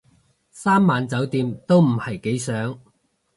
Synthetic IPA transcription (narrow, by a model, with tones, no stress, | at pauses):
saː˥mːaː˨nt͡sɐ˨˥wt̪iː˨˧mt̪o˥wm̩˨˩hɐ˨˩jke˨˥jsœː˨˥ŋ